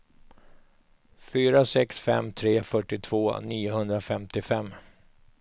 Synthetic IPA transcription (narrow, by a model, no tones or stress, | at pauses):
fyːɾasɛksfɛ̰mːt̪ʰɾeːfœʈːɪt̪ʰv̥oːniːʊhɵnd̪ɾafɛmt̪ɪfɛmː